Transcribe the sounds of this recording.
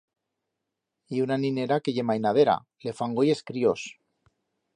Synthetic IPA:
iunanĩne̞ɾakeʝe̞majnað̞e̞ɾa̰ | le̞faŋɡoje̞skɾio̞s

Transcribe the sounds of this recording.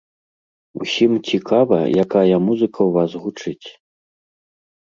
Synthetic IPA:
ṵsʲimt͡sʲikavɐ̰jakajɐmuzɨkʰɐwvasɣut͡ʂɨt͡sʲ

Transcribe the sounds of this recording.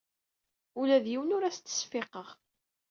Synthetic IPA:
ulæðjiwənʊɾæst͡s̪ːə̥sfɪqəʁ

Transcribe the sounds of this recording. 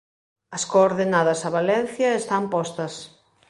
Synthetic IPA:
ɐskoːɾðenaðɐsɐβalɛn̟θjɐest̪ampɔst̪ɐs

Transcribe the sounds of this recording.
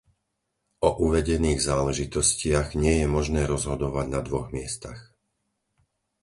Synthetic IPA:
ɔʔuʋɛɟɛniːɣzaːlɛʒit̪ɔscɪaɣɲɪɛjɛmɔʒnɛːɾɔzɦɔd̪ɔʋaɟnad̪ʋɔɣmɪɛst̪a̰x

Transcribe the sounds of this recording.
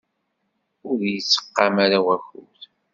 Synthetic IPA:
ʊðjəsːə̥qːɑmaɾawæxṵθ

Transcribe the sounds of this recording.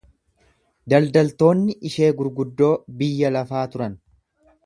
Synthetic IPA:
d̪ɐld̪ɐlt̪o̞ːnːɪʔɪʃe̞ːɡʊɾɡʊd̪ːo̞ːbɪjːɐlɐfaːt̪ʊɾɐn

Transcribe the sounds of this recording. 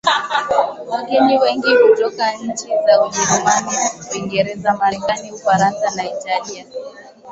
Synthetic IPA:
waɡɛniwɛŋɡikutɔkaɲ̩t͡ʃizauʄɛɾumaniwiŋɡɛɾɛzamaɾɛkaniufaɾansanaitalia

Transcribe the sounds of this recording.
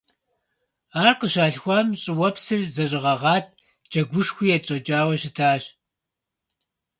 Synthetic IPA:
aːrqəʃaːɬxʷɐmɕʼɪwɐpsɨrzɐɕʼɨʁɐʁɑːt̚ʰ | d͡ʒɐɡʷʊʂxʷiːjɛt͡ʃʼɐt͡ʃʼaːwɐɕɪtʰaːɕ

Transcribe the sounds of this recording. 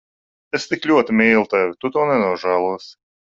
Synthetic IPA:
est̪iklʲuɔt̪imʲiːlˠt̪ɛvʲt̪ut̪uːnɛnuɔʒæːlˠuɔs

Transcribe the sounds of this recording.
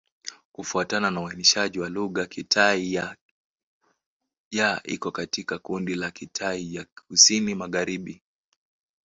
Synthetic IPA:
kufuatananawainiʃaʄiwaluɣakitʰaia | jaʔḭkɔkatikakundilakitʰaijakusinimaɣaɾiɓi

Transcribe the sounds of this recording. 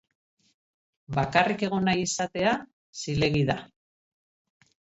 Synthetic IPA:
bakarike̞ɣ̞o̞najisat̪e̞a | sile̞ɣiða

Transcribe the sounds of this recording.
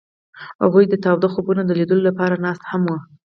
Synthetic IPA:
ha̰ɣujd̪ət̪ɑwd̪axobunod̪əlid̪əlolapɑɾanɑst̪hamwə

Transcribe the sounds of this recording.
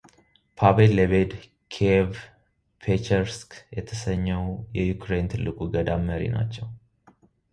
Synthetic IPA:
pʰabelːəβed̪ | kʰev | pʰet͡ʃɛɾskjɛt̪ʰəsəɲːəwjɛjukɾe̞nt̪ʰɨlːɨkʼuɡəd̪amːəɾḭna̰t͡ʃːɛw

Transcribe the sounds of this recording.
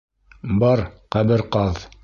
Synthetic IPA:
bɑɾqæbɘɾqɑð

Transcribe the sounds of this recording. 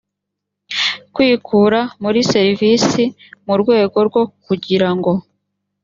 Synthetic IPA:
kwiːkʰuːɾamuɾise̞ɾiviːsi | muɾɡwe̞ːɡo̞ɾɡwo̞kuɟiɾaŋɡo̞

